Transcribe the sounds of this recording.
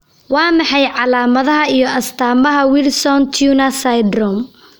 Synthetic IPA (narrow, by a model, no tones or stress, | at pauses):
wɑːmɑħɑjʕɑlaːmɐðɐɦɐijɔʔɐst̪ʰaːmɐɦɐwɪlsɔnt̪ʰjunɐsajd̪rɔm